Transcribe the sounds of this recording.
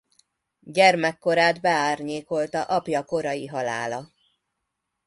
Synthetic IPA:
ɟɛrmɛkːo̞ɾaːd̪bɛaːrɲeːko̞lt̪ɒʔɒpjɒko̞ɾɒjiɦɒla̰ːlɒ

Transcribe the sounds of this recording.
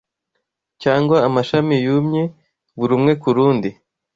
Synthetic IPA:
caːŋɡwaːmaʃamijumɲe | βuɾumŋe̞kuɾuːndi

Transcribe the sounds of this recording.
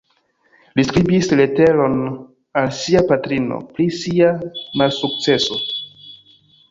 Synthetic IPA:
liskɾibisle̞te̞lo̞n | alsiapatɾino̰pɾisiamalsuk̚t͡se̞so̞

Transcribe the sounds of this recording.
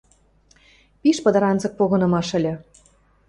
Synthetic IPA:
piʃpɤ̆d̪ɤ̆ɾɑnzɤ̆k̚poɣɤ̆nɤ̆mɑʃə̆lʲĕ

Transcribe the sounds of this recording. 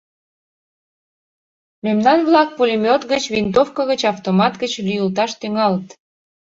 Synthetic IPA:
memnɑnβlɑk̚pulʲimʲot̪ɣət͡ɕβint̪ofkəɣət͡ɕɑft̪omɑt̪ɡət͡ɕlyjəlt̪ɑʃt̪yŋɑlt̪

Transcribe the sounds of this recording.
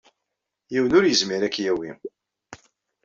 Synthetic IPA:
jiwənʊɾjəzmiɾækːjæwḭ

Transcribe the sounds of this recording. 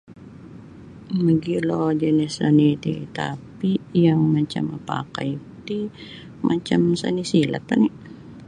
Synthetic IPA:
məɡilod͡ʒənɛsanit̪ḭt̪apijaŋmat͡ʃa̰mapa̰ka̰it̪i | mat͡ʃamsanisila̰t̪ani

